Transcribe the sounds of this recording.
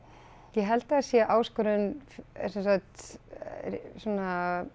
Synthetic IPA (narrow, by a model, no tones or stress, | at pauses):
jɛɦɛlt̪aasjɛʔaːwskɔɾʏnfsɛnsakt̪ | suna